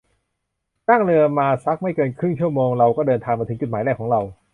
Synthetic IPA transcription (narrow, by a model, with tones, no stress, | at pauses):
ta˥˩ŋɾɯ˧ɐmaː˧sa˦˥k̚ma˥˩jkɤː˧nkʰɾɯ˥˩ŋt͡ɕʰu˥˩ɐmoː˧ŋɾa˧wkɔː˥˩dɤː˧nt̪ʰaː˧ŋma˧ɯ˩˦t͡ɕu˨˩maː˩˦jdɛː˥˩kʰːɔː˩˦ŋɾa˧w